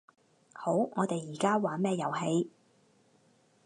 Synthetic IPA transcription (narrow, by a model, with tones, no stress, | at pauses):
ho˨˥wŋʔɔː˨˧t̪e˨jːiː˨˩kaː˥waː˨˥mɛː˥jɐ˨˩wɦe˨˧j